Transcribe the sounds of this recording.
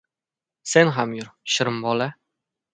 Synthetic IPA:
senɦamjʊɾʃɪɾəmbɒla

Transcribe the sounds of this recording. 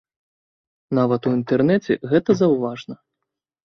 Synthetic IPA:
navɐt̪uint̪ɛrnɛt͡sʲɛ̰ɣɛt̪ɐzɐwvaʐnɐ

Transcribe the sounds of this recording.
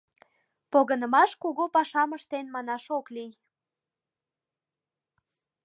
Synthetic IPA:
poɣənə̆mɑʃkuɣopɑʃɑməʃt̪enmɑnɑʃoklij

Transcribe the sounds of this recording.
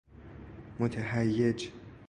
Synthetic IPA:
mot̪ʰaɦæjːed͡ʒ

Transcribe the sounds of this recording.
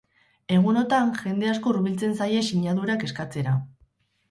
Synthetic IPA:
e̞ɣ̞uno̞t̪anʝe̞nd̪e̞asko̞ruβilt͡se̞nsaje̞siɲaðuɾake̞skat͡se̞ɾa

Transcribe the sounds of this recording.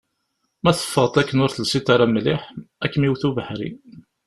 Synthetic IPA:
mæθə̥fːəʁt̪ˤækːənʊɾθəlsit̪aɾˤamlɪħækːmiwθuvəħɾḭ

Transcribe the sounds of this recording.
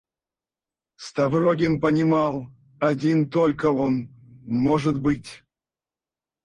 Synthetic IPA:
st̪avroɡʲɪnpənʲɪmɑlˠ | adʲint̪olʲkəɔn | moʐɨt̪bɨtʲ

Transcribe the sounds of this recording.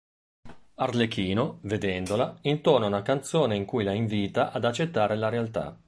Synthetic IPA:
arlek̟iːnoved̪ɛnd̪olaint̪oːnoaunakant̪soːneiŋkujlaiɱviːt̪aʔad̪at͡ʃːet̪ːaːɾelaɾealt̪a̰

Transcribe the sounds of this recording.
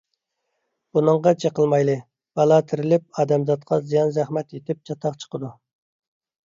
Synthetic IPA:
b̥unɨŋʁɑt͡ʃʰeqəlˠmɑjlˠɨ | b̥ɑlˠɑt̪ʰɪɾɪlɪp̚ɑːd̪ɛmzɑt̪̚qʰɑzijɑnzæχmɛt̪jet̪ʰɪp̚t͡ʃʰɑt̪ʰɑqt͡ʃʰə̥qəd̪u

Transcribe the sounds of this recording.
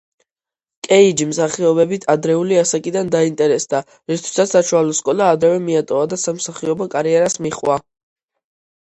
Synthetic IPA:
kʼɛid͡ʒimsaχiɔbɛbit̪ʰad̪ɾɛuliasakʼid̪and̪aint̪ʼɛɾɛsd̪a | ɾist̪ʰwi̥sat̪saʃualɔskʼɔlaːd̪ɾɛvɛmiat̪ʼɔvad̪asamsaχiɔbakʼaɾiɛɾasmiχʼwa

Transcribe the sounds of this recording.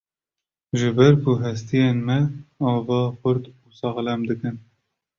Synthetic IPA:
ʒɨbɛɾkuɦɛs̬t̪ijenmɛɑːvɑːxʊɾd̪uːsɑɣlɛmd̪ɨkɨn

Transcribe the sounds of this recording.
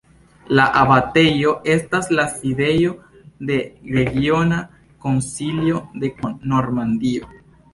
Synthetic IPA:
laʔabate̞jo̞ʔe̞staslaside̞jo̞ | de̞ɾe̞ɡio̞na | ko̞nsiljo̞de̞no̞ɾmandio

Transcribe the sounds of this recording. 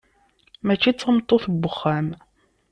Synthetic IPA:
mæt͡ʃːit͡sːəmt̪ˤːoθəbːəχːæm

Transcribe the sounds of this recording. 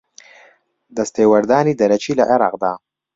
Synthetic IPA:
d̪əst̪ewaɾd̪ɑːnid̪ɐɾat͡ʃilaʔaɾɑ̰qd̪a

